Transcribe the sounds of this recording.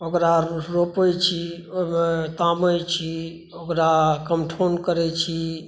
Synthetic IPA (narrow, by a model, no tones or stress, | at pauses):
okɾaɾopəjt͡ʃʰimt̪aməjt͡ʃʰi | okɾakəmʈʰonkəɾɛt͡ʃʰi